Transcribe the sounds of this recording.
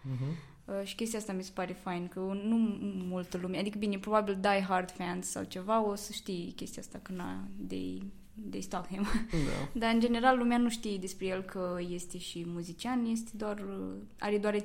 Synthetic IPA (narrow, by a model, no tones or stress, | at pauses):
əʃi̥kʲest̪iast̪amise̥paɾefajnkənumult̪əlumead̪ikəbinepɾobabild̪ajɦard̪fɛnd̪ssa̰wt͡ʃevaosəʃt̪ikʲe̞st̪iast̪akəna̰d̪ḛj | d̪est̪okhemd̪a̰d̪aɨnd͡ʒe̞ne̞ɾalːumeanuʃt̪id̪espɾejelkʰəje̞st̪eʃimuzit͡ʃianje̞s̬t̪ed̪oarə | a̰ɾed̪oaɾe